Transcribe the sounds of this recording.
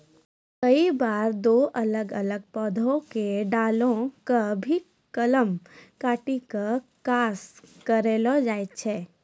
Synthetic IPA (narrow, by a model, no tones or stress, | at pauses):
kəibaːɾd̪oːʔələɡələɡ̚pɔːd̪ʱõkeɖaːlõkabʱi | kələmkaːʈikakaːskəɾeːlɔd͡ʒaːet̪t͡ʃʰɛː